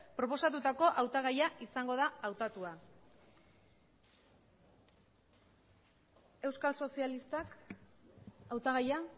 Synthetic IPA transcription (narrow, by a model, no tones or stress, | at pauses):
pɾo̞po̞sat̪ut̪ako̞ʔawt̪aɣ̞ajaʔisaŋɡo̞ð̞aawt̪at̪ua | e̞wskalso̞sialist̪ak | awt̪aɣaja